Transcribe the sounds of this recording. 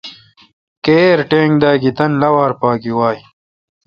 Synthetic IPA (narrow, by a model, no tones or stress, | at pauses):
keːɾʈẽːŋɡd̪aːɡit̪ɐnlɐwaːɾpaːkiwaːj